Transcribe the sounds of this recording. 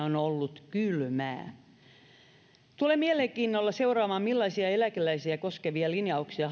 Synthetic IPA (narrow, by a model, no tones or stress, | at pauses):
onolːut̪kylmæ̰ː | t̪ulemieleŋkiːnːolːɑseurɑːmɑːmmilːɑisiɑelækelæisiækoskeʋiɑlinjɑuksiɑ